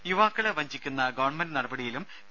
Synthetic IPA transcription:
juʋaːkːɨɭeʋɐɲd͡ʑikʲːunːɐɡɐːɳmɐnnɐɽɐbɐɽijilum

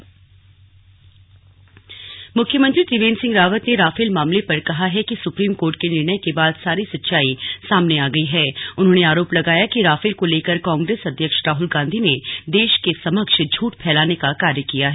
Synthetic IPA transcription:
mʊkʰjəmə̃nt̪ɾit̪ɾɪʋẽːnsɪ̃ŋɡɾaːʋət̪neɾaːfɪlmaːmlepɐɾkɐɦaɦɛkisʊpɾiːmkoːɾʈ̚kenɪɾnəjkebaːd̪saːɾisɐtːʃaːisaːmneaːɡɐiɦɛːʊnɦõːneaːɾoːplɐɡaːjakiɾaːfɪlkoleːkəɾkãːŋɡɾeːsɐd̪ʱjəkʃɾaːɦʊlɡãːnd̪ʱined̪eːʃkesɐməkʃd͡ʒʱuːʈpʰɛːlaːnekakaːɾjəkijaɦɛː

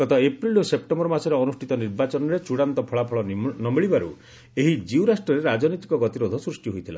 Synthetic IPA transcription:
ɡɔt̪ɔepɾilusep̚ʈɔmbɔɾɔmasɔɾeɔnusʈʰit̪ɔniɾbat͡ʃɔnɔɾet͡ʃuɽant̪ɔpʰɔɭapʰɔɭɔnɔmiɭibaɾu | eɦid͡ʒiuɾasʈɔɾeɾad͡ʒɔnɔt̪i̥kɔɡɔt̪iɾod̪ʱɔsɾusʈiɦojt̪ʰila̰

